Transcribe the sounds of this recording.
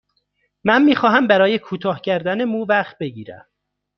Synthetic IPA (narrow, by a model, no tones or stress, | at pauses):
mænmiːxɒːɦæmbæɾɒːje̞kʰuːt̪ʰɒːhcʰæɾd̪æne̞muːvæχt̪̚be̞ɟiːɾæ̰m